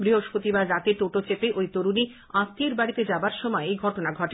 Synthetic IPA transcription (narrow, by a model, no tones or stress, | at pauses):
bɾiɦoʃpot̪ibaɾɾat̪eʈ̪oʈot͡ɕepeʔojt̪oɾuni | ast̪ʰieɾbaɽit̪ed͡ʑabaɾʃɔmɔeejɡʱɔʈonaɡʱɔʈe